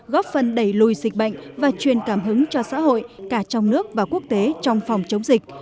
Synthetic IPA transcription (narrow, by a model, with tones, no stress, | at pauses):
ɣɔ˦˥p̚fə˨˩nɗə˧˩jlu˨˩jzï˨˩k̟̚ɓə̰˧˨ŋ̟vaː˨˩t͡ɕwi˨˩ənkaː˧˩mɦɨ˨˦ŋt͡ɕɔ˧sa̰ː˧˥ɦo̰˧˨jkaː˧˩t͡ɕɔ˧wŋ͡mnɨ˦˥ək̚vaː˨˩ku˦˥ək̚t̪e˨˦t͡ɕɔ˧wŋ͡mfɔ˨˩wŋ͡mt͡ɕə˨˦wŋ͡mzï˨˩k̟̚